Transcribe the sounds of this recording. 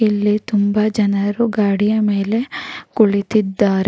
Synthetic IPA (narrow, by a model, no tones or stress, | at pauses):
ilːit̪umbɐd͡ʒɐnɐɾuɡaːɽijɐme̞ːle̞kuɭit̪id̪ːaːɾe